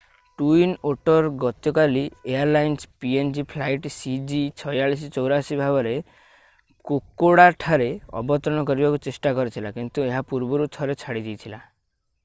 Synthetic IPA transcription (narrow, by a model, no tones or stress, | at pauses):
ʈuinoʈɔɾɡɔt̪jɔkaliejaɾlajnspiend͡ʒipʰlajʈsid͡ʒit͡ʃʰɔjaɭis̬it͡ʃɔwɾasibʱabɔɾe | kokːoɽaʈʰaɾeɔ̰bɔt̪ɾɔɽ̃ɔkɔɾibakut͡ʃesʈakɔɾit̪ʰilakint̪ueɦapuɾbɔɾut̪ʰɔɾet͡ʃʰaɽid̪ijt̪ʰila